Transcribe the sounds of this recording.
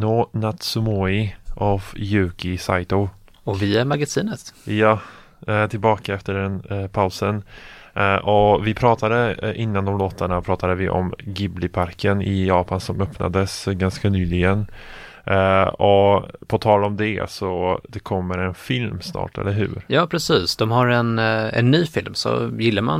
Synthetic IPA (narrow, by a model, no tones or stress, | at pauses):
noːnat̪sʊmɔɪʔɔvjʉ̟ːkɪsa̰jt̪ɔ | ɔvɪæɾmaɡasiːnət̪jɑː | t̪ʰɪlbɑːkaɛft̪əɖɛnpʰaʊsən | ʔɔvɪpʰɾɑːt̪ʰad̪əʔɪnːand̪ɔmloːt̪aɳapʰɾɑːt̪ad̪əvɪʔɔ̰mɡɪblɪpʰaɾkʰənɪjɑːpansɔmœpna̰d̪əsɡanskanyːlɪɡən | ɔpʰɔt̪ʰɑːlɔmd̪ɛ̰sɔd̪ɛkʰɔmːəɾɛnfɪlmsnɑ̰ːʈɛ̰lːəɾɦʉ̟̰ːɾjɑːpʰɾɛsiːsd̪ɔmɦaɾɛnɛ̰nːyːfɪlmsɔ̰jɪlːaɾma̰n